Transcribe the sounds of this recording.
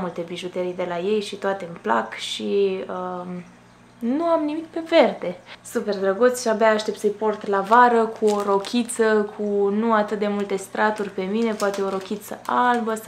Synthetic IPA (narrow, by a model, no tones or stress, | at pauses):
mult̪e̞biʒut̪eɾijd̪e̞laje̞jʃit̪oat̪e̞mpla̰kʃiə | nuamnimik̚pe̞ve̞rd̪e̞supe̞rd̪ɾəɡut̪sʲʃiabaːʃt̪e̞pt̪səjpo̞rt̪lavaɾəkʰuoɾo̞kʲʰit̪səkʰunuat̪ɨt̪̚d̪e̞mult̪e̞st̪ɾat̪urʲpe̞mine̞poat̪e̞o̞ɾo̞kʲit̪səʔalbə